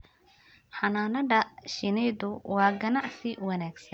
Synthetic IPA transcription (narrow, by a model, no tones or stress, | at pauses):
ħɑnaːnɐɖɐʃɪnɛjðʊwɑːɡɐnɑʕsɪwɑnaːɡsɐn